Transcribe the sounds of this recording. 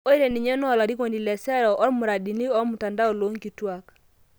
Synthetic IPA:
o˦i˦ɾe˨ni˨ɲɛ˦nɔ˦˨la˨ɾi˦ko˨ndi˨lɛ˨sɛ˦ɾɔ˨ʔɔ˦ɾmu˨ɾa˨di˨ni˦ɔ˦mu˨ta˨nda˦ɔ˨lo˦ŋki˨twa˦k

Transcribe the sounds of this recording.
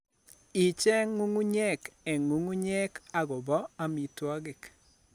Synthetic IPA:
i˨t͡ʃɛ˦ŋu˦ŋu˦ɲɛ˦kɛ˨ŋu˦ŋu˦ɲɛ˦ka˦˨ɡɔ˨bɔ˦a˦mi˨twa˦ɡɪ˨k

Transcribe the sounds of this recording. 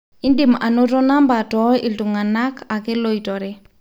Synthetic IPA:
i˦ndi˨ma̰˨no˦tɔ˦na˦mba˨tɔ˨˦i˨ltu˨ŋa˨na˦kʰa˨ke˦lo˦i˨tɔ˨ɾe˦

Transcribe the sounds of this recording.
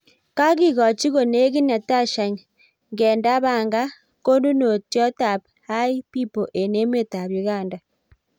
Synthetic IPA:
ka˦ɣi˦˨ɣɔ˨t͡ʃi˦ɣo˨ne˦ɣi˦na˨ta˦ʃa˨ŋ | ŋɡɛ˨nda˦βa˨ŋɡa˦ | ko˦ndu˦no˨tjɔ˦ta˨p | ha˦i˦pi˦po˨ʔe˨ne˦m˦e˦˨ta˨βji˨ɣaː˦˨nda˨

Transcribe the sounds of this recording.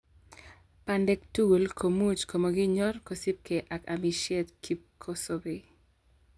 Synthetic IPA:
pa˨ndɛ˨k̚tu˦ɡu˨lkʰo˨mu˦t͡ʃko˨mo˨ɡɪ˦ɲɔ˦rko˨si˦p̚ke˨ʔa˨ka˨mi˨ʃe˦t̪kʰi˦p̚kʰo˦so˦be˨

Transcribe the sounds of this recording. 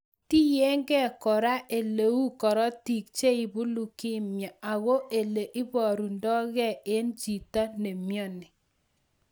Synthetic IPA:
ti˦jɛ˦ŋɡɛ˦kɔ˨ɾa˦ʔe˨le˨u˦kɔ˨ɾɔ˦ti˨k̚t͡ʃe˦i˨bu˦lu˨kɪ˦mja˨a˨ɣo˦ʔe˨le˨ʔɪ˦bɔ˨ɾu˨ndɔ˦ɣɛ˦˨e˦nd͡ʒi˨ta˦ne˨mjɔ˦˨nɪ˨

